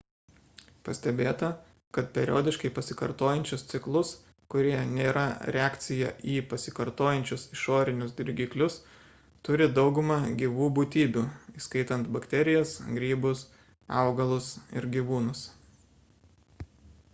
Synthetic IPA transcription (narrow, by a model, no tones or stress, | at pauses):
pɐsʲt̪ʲɛbʲeːt̪ɐ | kɐt̪pʲɛɾʲoːd̪ʲɪʃkɐɪpɐsʲɪkɐɾt̪oːjɛnʲt͡ʃʲʊst̪sʲɪklˠʊs | kʊɾʲiɛnʲeːɾɐɾʲɛɑːkt̪sʲɪjɛ̰ʔiːpɐsʲɪkɐɾt̪oːjɛnʲt͡ʃʲʊsɪʃoːɾʲɪnʲʊsd̪ʲɪɾʲɡʲiːklʲʊs | t̪ʊɾʲɪd̪ɒʊɡʊmɐɡʲiːʋuːbut̪ʲiːbʲuːiːskɐɪt̪ɐnt̪bɐkt̪ʲɛɾʲɪjɛsɡɾʲiːbʊs | ɑ̰ʊɡɐlˠʊsɪ̰ɾɡʲiːʋuːnʊs